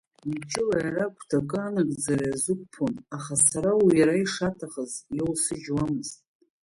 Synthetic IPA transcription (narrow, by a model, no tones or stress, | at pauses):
iit͡ʃʼɪlajarakʷʰtʰakʼɨanɨkʼd͡zaraazɨkʷʰʼpʰonaχasaɾawijaɾaiʂatʰaχəzjolsɨd͡ʒwamɨztʼ